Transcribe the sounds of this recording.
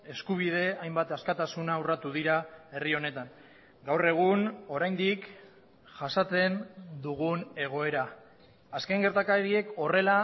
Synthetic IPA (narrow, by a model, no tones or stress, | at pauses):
e̞skuβ̞ið̞e̞ajmbat̪askat̪asunaurat̪uðiɾae̞rio̞ne̞t̪an | ɡawre̞ɣ̞uno̞ɾajnd̪ik | ʝasat͡se̞nd̪uɣ̞une̞ɣ̞o̞e̞ɾaː | ske̞ŋɡe̞ɾt̪akaɾie̞ko̞re̞la